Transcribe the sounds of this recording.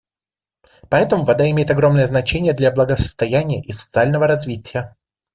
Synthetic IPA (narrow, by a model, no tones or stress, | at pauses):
pɐɛt̪əmʊvɐd̪aɪmʲejɪt̪ɐɡɾo̞mnəjəznɐt͡ɕenʲɪjəd̪lʲablˠəɡəsə̥st̪ɐjænʲɪjəʔisə̥t̪sɨalʲnəvəɾɐzvʲitʲɪjə